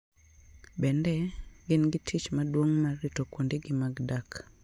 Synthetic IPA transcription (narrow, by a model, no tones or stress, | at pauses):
bɛndɛɡɪnɡɪtʰit͡ʃmadwoŋmarːɪtokwondeɡɪmaɡdak